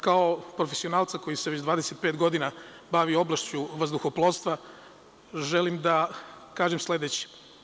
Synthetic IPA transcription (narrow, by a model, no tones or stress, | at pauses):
kaopɾofesio̞naːlˠt̪sako̞jisee̞t͡ɕd̪ʋaːd̪ese̞t̪̚pe̞ːt̪ɡo̞d̪ina | baʋio̞blˠaʃt͡ɕuʋazd̪uxoplˠoːst̪ʋa | ʒelimd̪akaːʒemslˠe̞d̪et͡ɕi̥